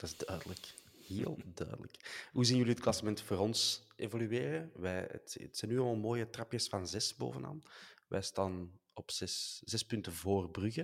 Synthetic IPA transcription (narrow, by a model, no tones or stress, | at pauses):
d̥ɑtɪzdœːdələk | heːlˠdœ̰ːdə̰lə̰kɦuːziːnjʏliət̚klɑsəmɛntfoːɾɔnsʔeːvolyeːrəʋɛːə̰ttsɛːnːyelmaːlˠmoːjətrɑpjəsfɑnzɛsbo̰ːvəna̰ːnʋʔɛ̰jstaːnnɔpsɛsz̥ɛspʏntəvoːrbrʉɣə